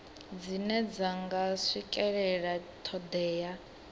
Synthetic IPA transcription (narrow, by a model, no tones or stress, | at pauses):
d͡zinɛd͡zaŋɡaʂikʼɛɺɛɺatʰɔd̪ɛːja